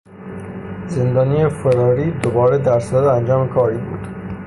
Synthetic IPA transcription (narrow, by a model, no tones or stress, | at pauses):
ze̞nd̪ɒːniːjefeɾɒːɾiːd̪obɒːɾed̪æɾsææd̪eænd͡ʒɒːmekʰɒːɾiːbṵːd̪̥